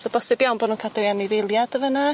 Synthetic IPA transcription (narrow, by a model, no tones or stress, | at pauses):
sɔbɔsɛbjawnbɔdnuːnkʰadɔanivelˠjad̥əvəna